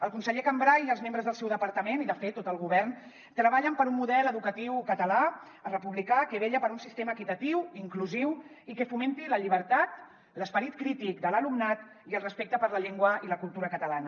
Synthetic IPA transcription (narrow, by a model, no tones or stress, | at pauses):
əlˠkunsəʎekambɾajiəlzmẽmbɾəzðəlˠsɛwðəpəɾt̪əmeniðəfet̪ːot̪əlˠɣ̞uβɛrn | t̪ɾəβaʎəmpəɾumːuðɛləðukət̪iwkət̪əla | ərəpuβlikakəβ̞eʎəpəɾunsist̪eməːkit̪ət̪iwiŋkluziw | ikəfumẽnt̪iləʎiβəɾt̪at̪ | ləspəɾit̪kɾit̪ikd̪ələlumnat̪ | iəlˠrəspek̚t̪əpəɾləʎeŋɡwəiləkulˠt̪uɾəkət̪əlanə